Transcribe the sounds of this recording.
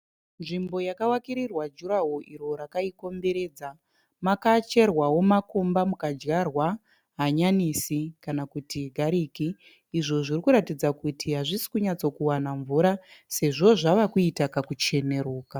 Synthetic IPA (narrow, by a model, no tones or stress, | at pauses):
nʐimbo̞jakawakiɾirwad͡ʒuɾaɦoʔiɾo̞ɾakaiko̞mbe̞ɾe̞ːd͡za | makat͡ʃe̞rwawo̞mako̞mbamukad͡ʒɣarwa | ɦaɲanisikanakutiɡʱaɾiːkiː | ʐo̞ʐirikuɾatid͡zakutʰiɦaʐisi̥kuɲat͡so̞kuwanaɱvuɾase̞ʐo̞ʐaʋakuitakakut͡ʃe̞ne̞ɾoːka